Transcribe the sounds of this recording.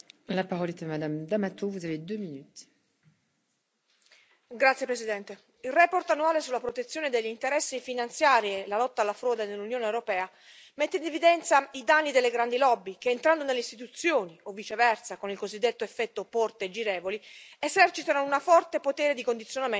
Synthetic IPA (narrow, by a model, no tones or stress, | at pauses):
lapaʁɔlɛt̪amad̪amd̪amat̪uvuzaved̪øminyt̪ | ɡɾat̪sjepɾesid̪ɛnt̪e | ilrɛːpɔrt̪anːuaːlesulːapɾot̪et̪sːjoːned̪eʎːint̪eɾɛsːifinant̪sjaːɾielalɔt̪ːaːlːafɾɔːd̪anelːunjoːnewɾopɛːa | mɛt̪ːeinevid̪ɛnt̪said̪anːid̪elːeɡɾand̪ilɔbːikeːnt̪ɾand̪onelːeist̪it̪ut̪sːjoːniovːit͡ʃevɛrtsakonilkozid̪ːet̪ːoefːɛt̪ːopɔrt̪ed͡ʒiɾeːvoliezɛrt͡ʃit̪anounafɔrt̪epot̪ɛːɾed̪ikond̪it̪sːjoname